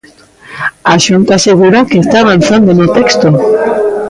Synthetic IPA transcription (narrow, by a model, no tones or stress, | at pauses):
aʃunt̪aːseɣuɾakeest̪aːβ̞an̟θand̪onot̪ekst̪o